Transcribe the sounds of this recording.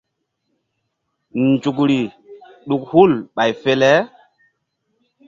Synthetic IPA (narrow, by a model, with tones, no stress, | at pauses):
nd͡ʒu˨k̬ɾi˨ | ɗu˨k̚hu˦˨lɓa˨jfe˦lɛ˦